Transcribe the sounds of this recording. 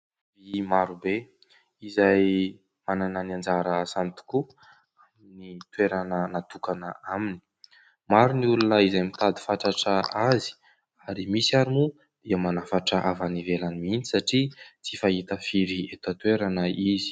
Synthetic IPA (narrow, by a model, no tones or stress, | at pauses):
vimaɾube | izaj | manananand͡zaɾəsant̪u̥ku | aminit̪weɾanənat̪ukanəamini̥ | maɾuniulunəizajmit̪ad̪i̥faʈ͡ʂaʈ͡ʂəazi̥ | aɾimisiaɾimu | d̪̥iəmanafaʈ͡ʂəʔavanivelanimini̥saʈ͡ʂit͡sifaɦit̪afiɾiet̪at̪weɾanəizi̥